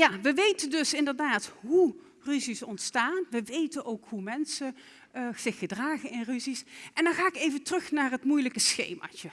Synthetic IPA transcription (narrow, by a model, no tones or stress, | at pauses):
jaʋəʋejtəndɵsɪndəɹdaːtɦu | ryzisɔntstaːnʋəʋejtənʔowkɦumɛnsə | z̥ɪxədraːɣənɪnryzisʔɛndɑnχaːɪkejvəntrɵxnaːrɦətmujləkəsxḛjma̰ːt͡ʃə